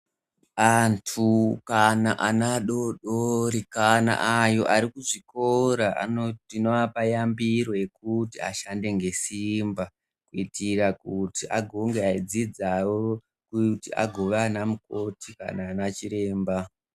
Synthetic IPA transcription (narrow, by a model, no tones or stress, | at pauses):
antʰukanaʔanaɗoɗoɾikana̰ʔajo̞ʔaɾikuʐiko̞ɾaʔa̰oinoapajambiɾo̞je̞kutia̰ʃande̞ŋɡe̞simba | kuitirakutiʔa̰ɡʱo̞ŋɡeaid͡zid͡zawo | kutiʔa̰ɡʱoʋanamuko̞tʰika̰naːnat͡ʃiɾe̞ːmba